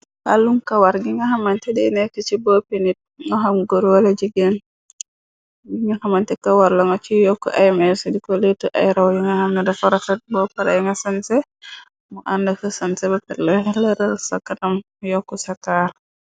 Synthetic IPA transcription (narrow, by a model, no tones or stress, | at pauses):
halːuŋkawaɾɡiŋɡahamantɛdɛnɛkːət͡ʃibɔpenit̚ŋɔɦamɡoɾwalad͡ʒiɡɛn | ɡiŋɡahamantɛkawaɾlaŋɔt͡ʃijɔkːɔ̰ʔajmɛsɛdikɔletːuʔa̰jɾawjuŋahamnɛdafɔɾafɛt̚bɔpaɾa̰jŋɡasansɛ | muʔandakəsansɛbapɛlɛlɛɾalsa̰kːanam | jɔkːɔsataɾ